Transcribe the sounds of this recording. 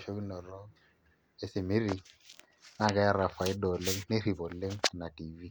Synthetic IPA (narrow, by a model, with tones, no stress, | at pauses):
ʃo˦ki˦nɔ˨rɔ˦ | ɪ˦sɪ˨mɪ˦ri˨ | ŋa˦kʼa˦ja˦ra˨fa˨ɪ˦dɔ˨le˦ŋ̩˦ne˦ri˨bɔ˨l̩˦le˦ŋ̩˦na˨tiː˨vi˦